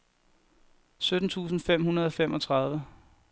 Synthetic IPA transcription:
sød̥n̩t͡sʰṵːs̬n̩fem̰hunɐð̞ˠɒ̽femʔɒ̽t͡sʰʁɑ̈ðˠʋə

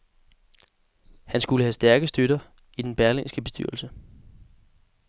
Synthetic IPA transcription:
hænsɡ̥uləhæsd̥æɐɡ̥əsd̥øɾɐ | id̥enb̥æɐlensɡ̥əb̥e̝sd̥y̰ɐ̰l̩sə

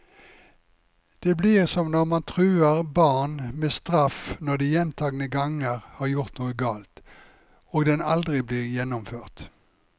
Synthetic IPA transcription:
d̪̥eːbliːʁsɔmnɔʁmɑnt̪ʰʁʉːəʁbɑʁnmeːst̪ʁɑfnɔʁd̪iːjɛnt̪ʰɑːɡnəɡɑŋəʁhɑːʁjʊʁt̪nuːəɡɑːlt̪ | oːɡd̪ɛnɑld̪ʁɪbliːʁjɛnːʊmføːʁt̪

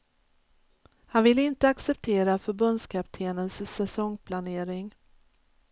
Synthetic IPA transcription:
hanvɪlːɪnt̪əaksɛp̚t̪ʰeːɾafœɾbɵnd̪skʰap̚t̪ʰeːnənsːɛsɔŋːpʰlaneːɾɪŋ

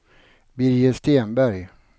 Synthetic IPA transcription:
bɪɾjəst̪eːnbæɾj

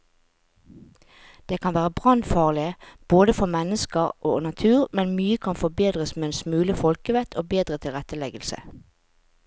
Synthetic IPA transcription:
d̪̥eːkʰɑnʋæːʁəbʁɑnfɑːʁlɪəb̥oːd̪əfɔmɛnəskəʁʔoːnɑt̪ʰʉːʁmɛnmyːəkʰɑnfɔbeːd̪ʁəsmeːɛnsmʉːləfɔlkəʋɛt̪ʰoːbeːd̪ʁət̪ʰɪlʁɛt̪əlɛɡəlsə̰

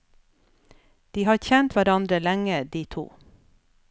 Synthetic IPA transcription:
d̪̥iːhɑːɾçɛnt̪ʋæɾɑnd̪ɾəlæŋəd̪iːt̪ʰṵː

